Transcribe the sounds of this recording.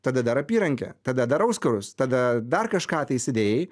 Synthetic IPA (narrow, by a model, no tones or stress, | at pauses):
t̪ɐd̪ɐd̪ɐɾɐpʲiːɾɐŋʲkʲɛ̰t̪ɐd̪ɐd̪ɐɾɐʊskɐɾʊst̪ɐd̪ɐd̪ɐrkɐʃkɑːt̪ɐɪsʲɪd̪ʲeːjɪ